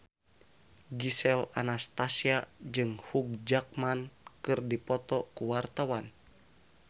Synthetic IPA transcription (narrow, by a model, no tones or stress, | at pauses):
ɡisɛla̰nast̪asiad͡ʒɨŋhuɡ̚d͡ʒak̚mankɨrdipɔt̪ɔkuwart̪awan